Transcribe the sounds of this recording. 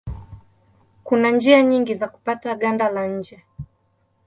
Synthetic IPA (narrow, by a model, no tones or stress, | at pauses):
kunand͡ʒiaɲiŋɡizaku̥pataɠandalaɲ̩d͡ʒɛ